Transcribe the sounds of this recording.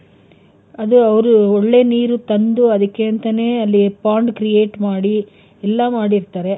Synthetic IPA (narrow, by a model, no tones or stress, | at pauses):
ɐd̪uɐʋɾuɔɭːe̞ːniːɾut̪ɐnd̪uɐd̪ɐkːeɐnt̪ɐne̞ːɐlːipaːɳɖkɾijeːʈmaːɽi | ɛlːɐmaːɽiɾt̪aːɾe̞